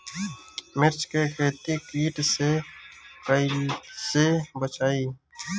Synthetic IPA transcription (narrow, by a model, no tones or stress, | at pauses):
mɪɾt͡ʃkekʰeːt̪ikiːʈse | kəisebət͡ʃaːiː